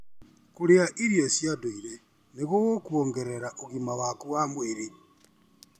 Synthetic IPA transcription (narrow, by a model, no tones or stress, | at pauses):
kuɾeaʔiɾjesjadoiɾɛ | neɣoɣokuɔŋɡɛɾɛɾaʔoɣimawakuwamweɾe